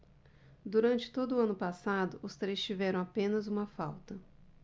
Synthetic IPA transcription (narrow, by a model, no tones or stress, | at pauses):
d̪uɾɐ̃nt͡ʃɪ̥t̪od̪ʊɐ̃nʊpasad̪ʊʔʊst̪ɾejst͡ʃivɛɾɐ̃w̃apẽnɐzũmɐfawt̪ɐ